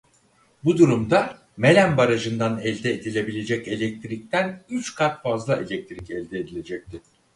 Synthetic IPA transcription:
bud̪uɾumd̪a | me̞lʲænbaɾaʒɯnd̪anɛlʲd̪ɛːd̪ilʲe̞bilʲe̞d͡ʒɛce̞lʲɛc̚t̪ʰɾic̚t̪ʰænyt͡ʃkʰat̪fazlˠae̞lʲɛc̚t̪ʰɾicɛlʲd̪ɛːd̪ilʲe̞d͡ʒɛc̚t̪ʰi

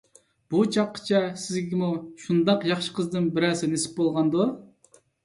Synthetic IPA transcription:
b̥ut͡ʃʰɑqʰːə̥t͡ʃʰɛsɪzɡʲimuʃund̪ɑqjɑχʃə̥qʰəzd̪ɨnbɪɾɛsɪnesɪ̥p̚bolˠʁɑnd̪u

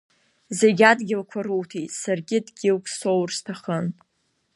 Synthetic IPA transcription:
zeɡʲadɡʲɪlkʷʰaruwtʰetsarɡʲɪdɡʲɪlkʷʰʼsowrstʰaχən

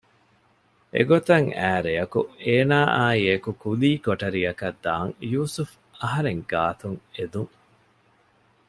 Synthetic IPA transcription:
ʔḛɡot̪ɐŋæːɾeɐkueːnaːʔaːiekukuliːkoʈɐɾiɐkɐd̪ːaːŋjuːsuf | ɐɦɐɾeŋɡaːt̪uŋed̪uŋ

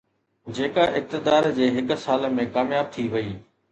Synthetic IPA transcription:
d͡ʑeːkaʔɪk̚t̪ɪd̪aːɾd͡ʑeːɦɪk̆saːlmẽkaːmjaːb̚t̪ʰiʋɐiː

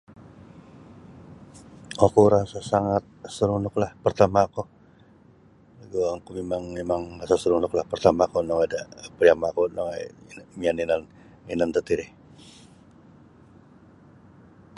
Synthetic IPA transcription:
okuɾasasaŋat̪̚səɾunʊklahpərt̪amaku | laɡoaŋkumemaŋmemaŋrasasəɾunʊklahpərt̪amakunɔŋadapɾiamakunɔŋanmianinan | inant̪ət̪iɾɪh

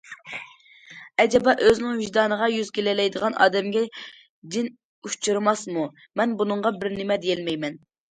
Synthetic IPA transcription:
ɛd͡ʒɛbɑʔøznɪŋhyʒd̪ɑːnəʁɑjyzkʲelɛlɛjd̪əʁɑnʔɑ̰ːd̪ɛmɡʲɛ | d͡ʒd̪ɪn | ut͡ʃʰiɾɨmɑsmu | mɛnbunɨŋʁɑbɪɾnɪmɛd̪ejɛlmɛjmɛn

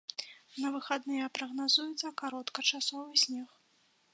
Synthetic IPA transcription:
nɐvɨxad̪nɨjɐpɾɐɣnazujut̪sɐkaɾɔt̪kɐt͡ʂasɔvɨsʲnʲɛx

